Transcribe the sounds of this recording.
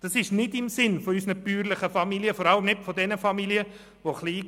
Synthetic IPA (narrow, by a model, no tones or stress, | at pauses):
d̥ɑsɪʃnɪdɪmsɪnfoysnəpyːɾlɪχəfɑmiljəfɔɾɑləmnɪtfɔdɛnəfɑmiljə | ʋoχliː